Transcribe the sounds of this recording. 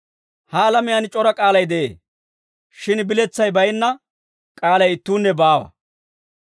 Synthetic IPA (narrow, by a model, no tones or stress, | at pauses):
halɐmɪjant͡ʃʼɔɾɐkʼaːlɐjd̪ɛʔḛː | ʃɪnbɪlɛt͡sːɐjbɐjɪnːɐ | kʼaːlɐjɪt̪ːuːnːɛbaːwɐ̰